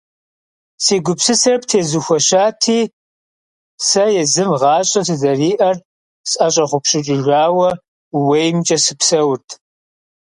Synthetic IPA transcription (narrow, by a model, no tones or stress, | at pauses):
siːɡʷʊpsɨsɐrptʰeːzuxʷɔɕaːtʰiː | sɐjɛzɨmʁɑːɕʼɐsɨzɐriːʔɐr | sʼɐɕʼɐχʷʊpʃɪt͡ʃʼɪʒaːwɐ | wejmt͡ʃʼɐsɨpsɐwrtʰ